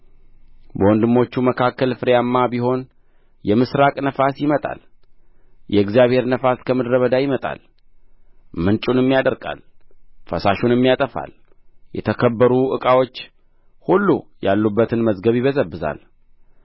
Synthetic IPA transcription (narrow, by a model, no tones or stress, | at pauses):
bəwɔnd̪ɨmːo̞t͡ʃːuməkʰakːəlfɨɾjamːabiɦo̞n | jɛmɨsɾakʼnəfasjɪmət̪ʼa̰l | jʔɛɨɡzijaβhe̞ɾnəfaskʰəmɨd̪ɾəβəd̪ajɪmət̪ʼa̰l | mɨnt͡ʃʼunɨmːijad̪əɾkʼa̰lfəsaʃunɨmːijat̪ʼəfa̰ljɛ̰t̪ʰəkʰəbːəɾuʔɨkʼawo̞t͡ʃː | hulːuja̰lːubːət̪ʰɨnməzɡəβjiβəzəbːɨza̰l